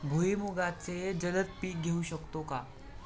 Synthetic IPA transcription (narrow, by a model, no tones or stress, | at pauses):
bʱuimuɡat͡sed͡ʑələt̪̚piːk̚ɡʱeuɕəkt̪oka